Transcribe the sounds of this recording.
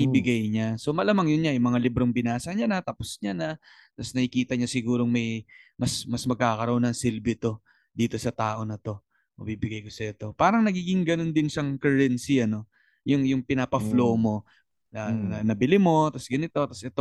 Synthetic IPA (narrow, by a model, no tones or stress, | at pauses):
ibɪɡajɲaso̞mɐlɐmɐŋjʊnɲajʊmɐŋalɪbɾoŋbɪnaːsɐɲanɐt̪ɐposɲanɐ | t̪ɐsnɐhɪkiːt̪ɐɲasɪɡuːɾo̞ŋmɐjmɐsmɐsmɐɡ̚kaːkɐɾoʔonːɐŋsɪlbɪt̪o̞ | d̪iːt̪o̞sɐt̪aːʔo̞nɐt̪o̞ | mɐ̰biːbɪɡajko̞sɐɛt̪o̞paːɾɐŋnɐɡiːɡɪŋɡɐno̞nd̪ɪnsɐŋkɛɛnsiʔɐno̞ | jʊŋjʊŋpɪnapɐflo̞mo̞ | nɐnɐnɐbɪlɪmo̞t̪ɐsɡɐnɪt̪o̞t̪ɐsʔɛt̪o